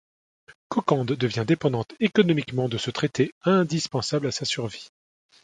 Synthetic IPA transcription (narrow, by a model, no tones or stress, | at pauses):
kɔkɑ̃d̪ːəvjɛ̃d̪epɑ̃d̪ɑ̃t̪ekɔnɔmikmɑ̃d̪əsət̪χet̪eɛ̃d̪ispɑ̃sablasasyʁvi